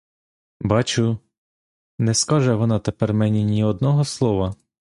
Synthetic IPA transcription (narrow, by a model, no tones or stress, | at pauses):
bɑt͡ʃʊ | nɛskɑʒɛʋɔnɑt̪epɛrmɛnʲinʲiɔd̪nɔɦɔslˠɔʋɐ